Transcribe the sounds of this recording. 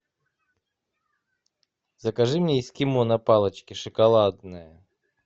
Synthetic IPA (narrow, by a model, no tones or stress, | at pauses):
zəkɐʐɨmnʲeɪskʲɪmonɐpalˠət͡ɕkʲɪʂɨkɐlˠad̪nəjə